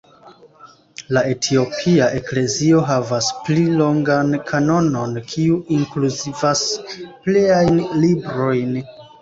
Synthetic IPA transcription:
lae̞tʰio̞pʰiaʔe̞kle̞zio̞ɦavasplilo̞ŋɡankʰano̞no̞nkʰiuiŋkluzivaspliajnlibɾo̞jn

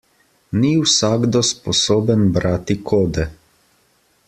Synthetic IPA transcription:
niwsaːɡd̪ɔspɔsoːbənbɾaːt̪ikʰoːd̪ɛ

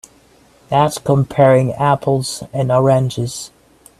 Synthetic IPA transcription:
ðætskʰə̃mpʰɛɹɪ̃ŋæpʰl̩ˠz̥ɨ̃nəɹæ̃nd͡ʒɪz̥

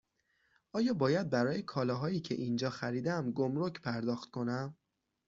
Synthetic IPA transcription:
ʔɒːjɒːbɒːjæd̪̚bæɾɒːjekʰɒːlɒːɦɒːiːcʰe̞̰ʔind͡ʒɒːxæɾiːd̪æmɡo̞mɾo̞cʰpʰæɾd̪ɒːxt̪̚kʰo̞næm

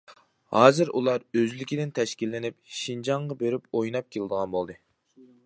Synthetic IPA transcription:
hɑːzɨɾṵlˠɑɾøzlɪkʲʰid̪ɪnt̪ʰɛʃkʲilːɪnɪp̚ʃind͡ʒɑɴʁɑbeɾɪpojnɑp̚kʲʰelˠɨd̪əʁɑnbolˠd̪ɨ

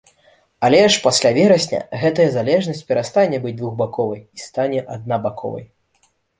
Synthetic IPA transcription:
alʲɛʂpasʲlʲavʲɛɾɐsʲnʲɐ̰ɣɛt̪ɐjɐzalʲɛʐnɐsʲt͡sʲpʲɛɾast̪anʲɛbɨd͡zʲd̪vuɣbakɔvɐjist̪anʲɛʔad̪̚nabakʰɔ̰vɐ̰j

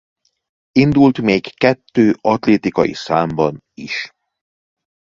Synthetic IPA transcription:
ind̪ult̪meːkːɛt̪ːøːɒt̪leːt̪ikɒjḭsaːmbɒn | iʃ

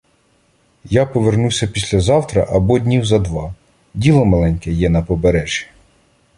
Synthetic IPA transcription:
japɔʋernusʲɐpʲisʲlʲɐzɑwt̪ɾɐ̰ʔɐbɔdʲnʲiwzɐd̪ʋɑ | dʲilˠɔmɐlˠɛnʲkɛjɛnɐpɔbeɾɛʒʲi

